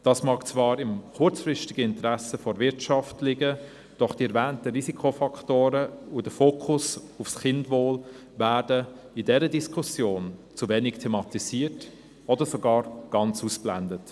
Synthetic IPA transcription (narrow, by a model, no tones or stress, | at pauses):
d̥ɑːsmɑːkt͡svɑːɾɪmχʊt͡sfrɪʃtɪɡəɪntɾɛsəfɔɾvɪɾtʃɑftlɪɡə | d̥ɔχd̥iɛɾvɛːntəɾizikʰofɑkʰtoːɾəudəfoːkʰʊs | ufsχɪndvoːl | væːɾdə | idɛɾədiskʰusjoːnt͡suvɛnɪktʰɛmɑtisiːət | ɔdəɾsoɡɑːɾɡ̥ɑnt͡suːsb̥lændət